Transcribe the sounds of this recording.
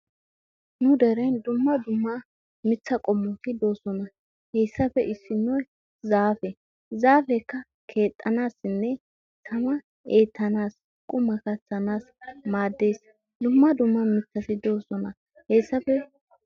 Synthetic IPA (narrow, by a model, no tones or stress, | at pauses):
nʊd̪ɛɾɐjnd̪ʊmːɐd̪ʊmːɐ | mɪt͡sːɐkʼɔmːɔt̪ɪd̪o̞ːsɔnɐ | heːsːɐpɛʔɪsːɪnɔj | zaːfɛ | zaːfɛkːɐ | kʰe̞ːt̪ʼːɐnaːsɪnːɛ | t̪ʰɐmɐ | eːt̪ʰːɐnaːs | kʼʊmːɐkɐt͡sːɐnaːsmaːd̪ːe̞ːs | d̪ʊmːɐd̪ʊmːɐmɪt͡sːɐsɪd̪o̞ːsɔnɐ | heːsːɐpɛ